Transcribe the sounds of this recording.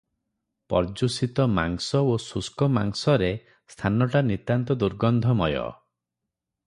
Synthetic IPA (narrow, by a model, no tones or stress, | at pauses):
pɔ̰ɾd͡ʒusit̪ɔma̰ŋsɔosuskɔmaŋsɔɾe | st̪ʰanɔʈanit̪ant̪ɔd̪uɾɡɔnd̪ʱɔmɔjɔ̰